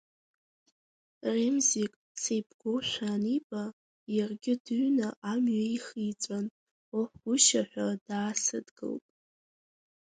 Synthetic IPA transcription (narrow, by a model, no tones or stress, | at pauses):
remzikʼ | sejbʰɡ̥oʃʷᶣanibʼa | jarɡʲɪdɨɥnaʔamɥaiχijt͡sʷʼan | oħʷɡ̥ʊʃaħʷᶣad̥aːsɨdɡɨ̰ltʼ